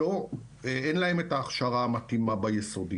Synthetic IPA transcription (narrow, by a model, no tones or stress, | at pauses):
o | eenlae̞metaːχʃaʁaːmatimabajesodi